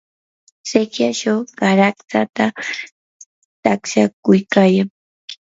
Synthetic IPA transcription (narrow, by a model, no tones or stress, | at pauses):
sekjat͡ʃawɢaɾakt̪at̪a | t̪aksakʊjkaːjaŋ